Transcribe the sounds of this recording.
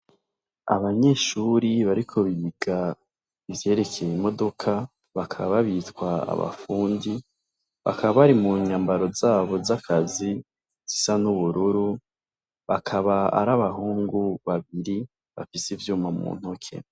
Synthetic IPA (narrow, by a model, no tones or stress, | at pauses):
a̰βaɲe̞ːʃuɾiβaɾikʰo̞βiβiɡa | ivje̞ːɾe̞kʰe̞jimo̞do̞kʰa | βakʰaβaβaβitkwaa̰βa̰fuːndi | βa̰kaβaβaɾimuɲambaɾo̞zaːβo̞zakʰazi | z̥isanuβuɾuɾu | βakʰaβaa̰ɾaβaɦuːŋɡuβaβiɾi | βa̰fisivjuːmamṵːn̥hukʰḛ